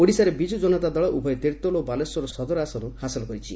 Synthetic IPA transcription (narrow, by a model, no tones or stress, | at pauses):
oɽisaɾebid͡ʒud͡ʒɔnɔt̪ad̪ɔɭɔʔubʱɔjt̪eɾt̪olobalɔsɔɾɔsɔd̪ɔɾasɔnuhasɔlɔkɔɾit͡ʃʰi